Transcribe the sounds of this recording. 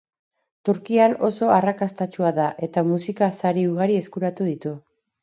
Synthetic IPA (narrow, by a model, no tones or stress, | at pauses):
t̪uɾkiano̞so̞arakast̪at͡ʃuaðaʔe̞t̪amusikasaɾiuɣaɾie̞skuɾat̪uð̞it̪u